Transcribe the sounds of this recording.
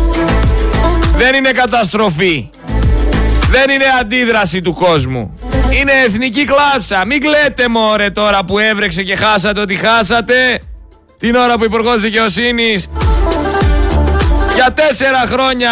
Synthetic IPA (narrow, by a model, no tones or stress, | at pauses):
ðe̞nine̞kɐt̪ɐs̬t̪ɾo̞fi | ðe̞nine̞ɐnd̪iðɾɐsit̪uko̞zmṵ | ine̞ːθniciklɐpsɐmiɡle̞t̪e̞mo̞ɾe̞t̪o̞ɾɐpue̞vɾe̞kse̞ce̞xɐs̬ɐt̪eo̞t̪ixɐsɐt̪e̞ | t̪ino̞ɾɐpuipuɾɣo̞zðice̞o̞sinis | ʝɐt̪e̞se̞ɾɐxɾo̞ɲɐ